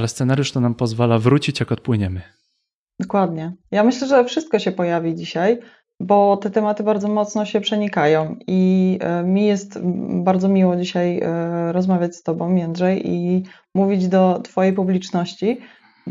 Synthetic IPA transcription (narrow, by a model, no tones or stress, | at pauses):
alɛst̪sɛnaɾjuʂt̪ɔnampɔzvalavɾut͡ɕit͡ɕjakɔt̪̚pwɘɲɛmɘ | d̪̥ɔkwad̪ɲɛjamɘɕlɛʐɛfʂɘst̪̚kɔɕɛpɔjavʲid͡ʑiɕaj | bɔt̪ɛt̪ɛmat̪ɘbaɾdzɔmɔt̪snɔɕɛpʂɛɲikajɔ̃w̃imʲijɛst̪baɾd̪zɔmʲiwɔd͡ʑiɕajɾɔzmavʲjat͡ɕst̪ɔbɔ̃w̃jɛnd̪ʐɛjḭ | muvʲid͡ʑd̪ɔt̪fɔjejpublʲit͡ʂnɔɕt͡ɕi